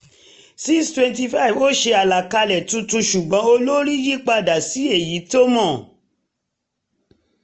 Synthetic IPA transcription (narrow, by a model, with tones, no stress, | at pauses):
si˦kstwɛ̃˧nti˧fa˦i˨vo˦ʃe˧a˨la˨ka˧lɛ˨tũ˧tũ˧ʃu˨ɡ͡bɔ̃˨˦o˧lo˦ɾi˦ji˦k͡pa˧˨da˨si˨˦e˦˨ji˨˦to˦mɔ̃˦˨